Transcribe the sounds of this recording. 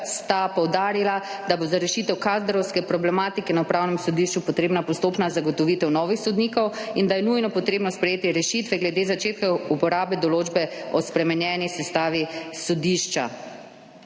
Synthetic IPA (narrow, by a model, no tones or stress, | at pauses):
st̪apɔwd̪aːɾilad̪abozaɾɛʃit̪ɛwkazd̪ɾɔwskɛpɾɔblɛmaːt̪ikɛnaupɾaːwnɛmsɔd̪iʃt͡ʃupɔt̪ɾeːbnapɔst̪oːpnazaɡɔt̪ɔʋit̪ɛwnɔʋixsɔd̪nikɔwind̪ajɛnujnɔpɔt̪ɾeːbnɔspɾɛjeːt̪iɾɛʃit̪ʋɛɡlɛd̪eːzat͡ʃeːt̪kaupɔɾaːbɛd̪ɔloːd͡ʒbɛɔspɾɛmɛnjɛːnisɛst̪aːʋisɔd̪iʃt͡ʃa̰